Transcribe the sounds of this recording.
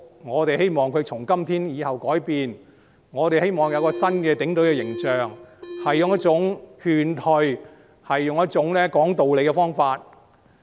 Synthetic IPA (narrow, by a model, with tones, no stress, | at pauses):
ŋɔː˨˧t̪e˨jhe˥jmɔː˨˩ŋkʰɵ˨˧ɥt͡sʰʊ˨˩ŋkɐ˥mt̪ʰiː˥njiː˨˧hɐ˨wkɔː˨˥jpiː˨n | ŋɔː˨˧t̪e˨jhe˥jmɔː˨˩ŋjɐ˨˧wkɔː˧sɐ˥nkɛː˧t̪ɪ˨˥ŋt̪ɵ˨˥ɥkɛː˧jɪ˨˩ŋt͡ʃœː˨ŋhɐ˨jːʊ˨ŋjɐ˥t̚t͡sʊ˨˥ŋhyː˨˧nt̪ʰɵ˨˧ɥ | hɐ˨jːʊ˨ŋjɐ˥t̚t͡ʃʊ˨˥ŋlɛː˥kɔː˨˥ŋt̪o˨wle˨˧jkɛ˧fɔː˥ŋfaː˧t̚